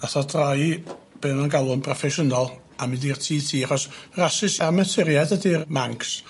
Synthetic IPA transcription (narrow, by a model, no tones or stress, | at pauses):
naθɔdrajb̥enanɡalˠʊnpʰrɔfɛʃənɔlˠ | amɪndirtʰiːtʰiːaχɔsrasɪsamɛtʰɪɾjadədirmaŋks